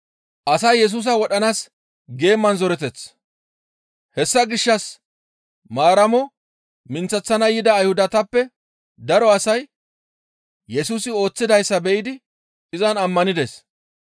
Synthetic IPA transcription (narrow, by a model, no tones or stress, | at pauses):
ʔɐsɐjːɛs̬uːs̬ɐwɔɗɐnaːs | ɡe̞ːmːɐnzɔɾɛt̪ɛt͡s | hɛsːɐɡɪʃːɐs | maːɾɐmɔ | mɪnt͡sːɐt͡sːɐnɐjɪd̪ɐːjhʊd̪ɐt̪ɐpːɛ | d̪ɐɾɔɐsɐj | jɛsuːsɪo̞ːt͡sːɪd̪ɐjsːɐbɛʔɪd̪ɪ | ɪzɐnɐmːɐnɪd̪es